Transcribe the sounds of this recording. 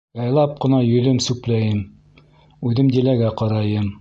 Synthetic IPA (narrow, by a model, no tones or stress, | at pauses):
jɑjlˠɑp̚qɤ̆nɑjɵ̆lɵmsʉplæjɘm | ʉðɘmd̪ilæɡæqɑɾɑjɤm